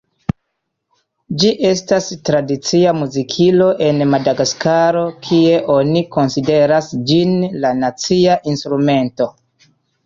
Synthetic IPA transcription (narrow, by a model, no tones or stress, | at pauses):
d͡ʒiʔe̞stastɾadit͡siamuzikʰilo̞ʔe̞nmadaɡaskaɾo̞kʰie̞ʔo̞niko̞nside̞ɾasd͡ʒinlanat͡siaʔinstɾume̞nto̞